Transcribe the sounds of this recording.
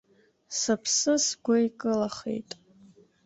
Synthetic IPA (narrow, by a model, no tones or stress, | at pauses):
sapʰsɨsɡʷajkʼɨlaχḛjtʼ